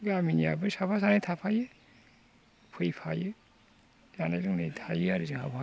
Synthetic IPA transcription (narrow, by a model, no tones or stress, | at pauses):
ɡaminija̰bɯsapʰas̬anɯjtʰapʰajɯ | pʰɯjpʰajɯ | zanaɾɯŋnɯjtʰajɯaɾɯziŋa̰ba